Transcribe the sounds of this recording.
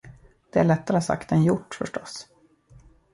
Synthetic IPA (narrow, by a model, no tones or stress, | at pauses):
d̪̥ɛæɭɛt̪ːaɾəsa̰kt̪ɛnjʊʈːfœʂʈɔs